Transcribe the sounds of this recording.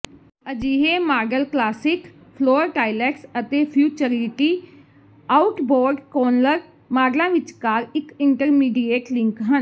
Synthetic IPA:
əd͡ʒiːɦeːmaːɖəlklaːsɪk | pʰloːɾʈaːilɛːksət̪eːpʰjuːt͡ʃəɾiʈiː | aːʊʈbɔːɾɖkɔːnləɾ | maːɡlãːʋɪt͡ʃkaːɾɪkɪɳʈəɾmiːɖieːʈlɪ̃ŋkɦən

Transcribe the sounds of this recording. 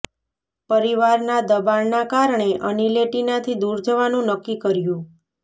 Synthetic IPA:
pəɾiʋaɾnad̪əbannakaɾɳeʔənileʈinat̪ʰid̪uɾd͡ʒəʋanũnəkːikəɾjũ

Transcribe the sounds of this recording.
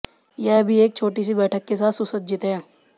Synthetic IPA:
jɛːbʱieːk̚t͡ʃʰoːʈis̬ibɛːʈʰəkːesaːt̪ʰsʊsət̪̚d͡ʒɪt̪ɦɛ̃ː

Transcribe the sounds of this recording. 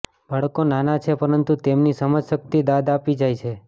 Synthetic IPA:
bʱəɭkonanat͡ʃʰepəɾənt̪ut̪emnisəməd͡ʒʃək̚t̪id̪ad̪apid͡ʒajt͡ʃʰe

